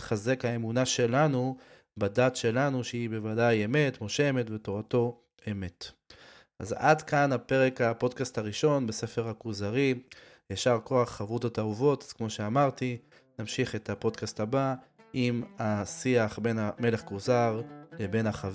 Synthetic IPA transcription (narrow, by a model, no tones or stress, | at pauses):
χaze̞khae̞munaʃe̞lanu | badatʃe̞lanuʃeibe̞vadajeme̞tmo̞ʃe̞metveto̞ʁato̞ | eme̞t | ʔa̰zadkanape̞ʁe̞khapo̞dkastaʁiʃo̞nbese̞fe̞ʁakuzaʁi | jaʃaʁko̞aχχavʁutatauvo̞taz̥kmo̞ʃe̞amaʁt̪i | namʃiχe̞tapo̞d̪kastaba | ʔimasiaχbe̞name̞le̞χkuzaʁlebe̞naχav